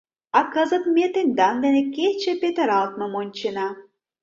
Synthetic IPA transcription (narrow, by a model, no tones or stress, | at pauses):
ɑkəzə̆t̪mʲet̪enʲd̪ɑnd̪enĕkʲet͡ɕĕpʲet̪əɾɑlˠt̪̚mɤ̆monʲt͡ɕenɑ